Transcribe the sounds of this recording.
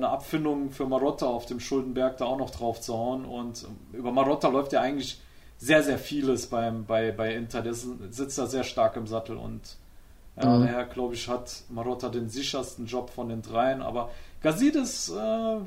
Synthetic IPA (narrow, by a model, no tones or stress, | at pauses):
nəʔapfɪndʊŋfyːɐmaʁɔtaaʊfd̥eːmʃʊldn̩bɛɐk̚d̥aːaʊxnɔχd̥ʁaʊft͡suhaʊənʊntːʔyːbɐmaʁɔtalɔʏftjaːʔaɪɡŋ̩tlɪç | z̥eːɐzeːɐfiːləsb̥aɪmbaɪbaɪɪntʰɐdeːɐsz̥ɪt͡std̥aːzeːɐʃtaɐkɪmzatl̩ʊ̰nt | jaːdaːheːɐɡlaʊbəɪçhatmaʁɔtadeːnzɪçɐstn̩d͡ʒɔpfɔndeːndʁaɪənʔa̰ːbɐɡ̥aziːdɪsʔɛː